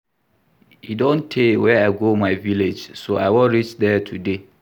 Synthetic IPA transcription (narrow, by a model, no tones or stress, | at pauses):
idɔ̃ntʰewɛaɪɡomaɪviled͡ʒsoʔaɪwɔ̃ɹit͡ʃdɛtʰude